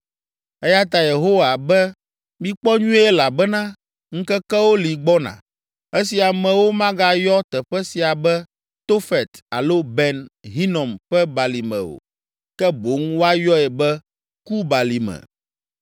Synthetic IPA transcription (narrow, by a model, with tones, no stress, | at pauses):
ɛ˦ja˦t̪a˨je˨ɦo˦wa˨bɛ˦ | mĩ˦k͡pɔ˦ɲũ˦ɛ˦la˨bɛ˦nã˦ | ŋ̩̃˦kɛ˦kɛ˦wo˦li˨ɡ͡bɔ˦nã̰˨ | ɛ˦si˨a˨mɛ̃˨wo˦mã˦ɡa˦jɔ˦t̪ɛ˨ɸɛ˦si˨a˨bɛ˦ | t̪o˦fɛ˨t̪a̰˨lo˦bɛ˨nɦi˦nɔ̃˨mɸɛ˦ba˨li˨mɛ̰̃˨o̰˨ | kɛ˦bo˨˦ŋwo˦a˦jɔ˦ɛ˨bɛ˦ | ku˦ba˨li˨mɛ̰̃˨